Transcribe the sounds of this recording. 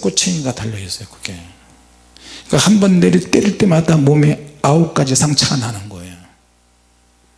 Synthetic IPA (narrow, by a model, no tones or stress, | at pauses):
k͈ot͡ɕʰeɲiɡatʰaʎːʌis͈ʌjokʰɯ̥kʰe | k͈ahanbʌnːeɾit͈eɾɯɭt͈emadamomeauk͈ad͡ʑisʰaŋt͡ɕʰaanɦanɯnɡʌejo